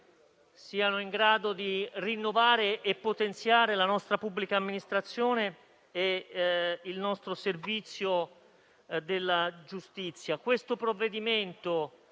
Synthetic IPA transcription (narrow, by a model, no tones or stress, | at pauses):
siːanoiŋɡɾaːd̪od̪irinːovaːɾeʔːpːot̪ent̪sjaːɾelanɔst̪ɾapubːlikaːmːinist̪ɾat̪sːjoːneː | ilnɔst̪ɾoservit̪sːjo | d̪elːad͡ʒust̪it̪sːjakwest̪opɾovːed̪iment̪o